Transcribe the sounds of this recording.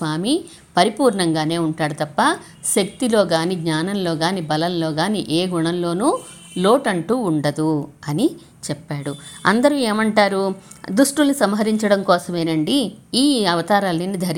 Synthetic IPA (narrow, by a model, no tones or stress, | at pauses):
ʋaːmi | pɐɾipuːɾɳɐŋɡaːne̞ːuɳʈaːɽut̪ɐpːɐ | ʃɐk̚t̪ilo̞ːɡaːniːɡɲaːnɐmlo̞ːɡaːniːbɐlɐmlo̞ːɡaːnḭːʔeːɡuɳɐmlo̞ːnuː | lo̞ːʈɐɳʈuːɳɖɐd̪uɐni | t͡ʃɛpːaːɽuɐ̰nd̪ɐɾueːmɐɳʈaːɾud̪uʂʈulɐnisɐmɦɐɾiɲt͡ʃɐɽɐmkɔːsɐmeːnɐɳɖiiːɐʋɐt̪aːɾaːlinːid̪ʱɐɾ